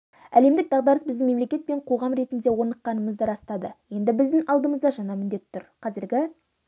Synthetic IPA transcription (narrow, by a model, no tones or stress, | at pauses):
æ̰le̞md̪ɪk̚d̪ɑʁd̪ɑɾəsbɪzd̪ɪŋme̞mle̞kʲe̞t̪̚peɴqʰo̞ʁɑmɾe̞t̪ɪnd̪e̞wo̞ɾnəqːɑnəməzd̪əɾɑst̪ɑd̪əje̞nd̪ɪbɪzd̪ɪŋɑlˠd̪əməzd̪ɑʒɑnɑmɪnd̪e̞t̪ʰːʊɾqʰɑzɪɾɡʲɪ